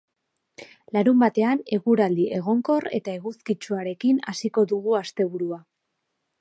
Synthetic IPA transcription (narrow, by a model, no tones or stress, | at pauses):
laɾumbat̪e̞ane̞ɣuɾald̪iʔe̞ɣ̞o̞ŋko̞re̞̰t̪ae̞ɣuskit͡ʃuaɾe̞kina̰siko̞ðuɣuast̪e̞β̞uɾua